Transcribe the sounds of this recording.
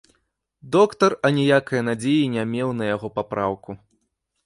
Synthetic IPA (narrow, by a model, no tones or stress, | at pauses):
d̪ɔkt̪ɐrɐnʲijakɐjɐnad͡zʲejinʲamʲɛwnɐjaɣɔpapɾawku